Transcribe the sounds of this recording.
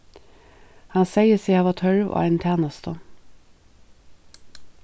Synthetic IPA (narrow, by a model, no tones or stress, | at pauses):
hɑnseɪəsiːhɑːʋɑt̪ʰhœɹʋʔo̰ːæɪnt̪ʰeːnəst̪ʰə